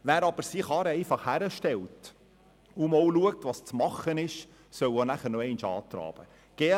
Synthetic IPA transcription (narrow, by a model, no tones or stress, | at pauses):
ʋæːɾɑb̥əɾsiχɑːɾɛɪfɑχhæɾəʃtɛlt | ʊmowluək̚tʋɑst͡smɑχːənɪʃ | sœwonæχəɾnɔɛɪnʃɑ̰ːt̪ɾɑ̰ːb̥ə | ɡ̥ɛ